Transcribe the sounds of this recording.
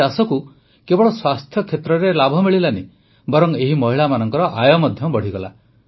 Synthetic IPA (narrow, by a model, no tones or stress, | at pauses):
asɔku | kebɔɭɔswast̪ʰjɔkʰet̪ɾɔɾelabʱɔmiɭilani | bɔɾɔŋeɦimɔɦiɭamanɔŋkɔɾɔʔajɔmɔd̪ʱjɔbɔɽ̤iɡɔla̰